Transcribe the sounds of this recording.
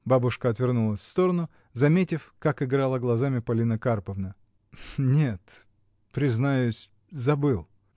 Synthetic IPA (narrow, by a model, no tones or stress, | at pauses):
babʊʂkəɐt̪vʲɪrnulˠəsʲfst̪o̞ɾənʊ | zɐmʲetʲɪfkakɪɡɾalˠəɡlˠɐzamʲɪpɐlʲinəkarpəvnə | nʲe̞t̪ | pɾʲɪznajʉʊsʲ | zɐbɨlˠ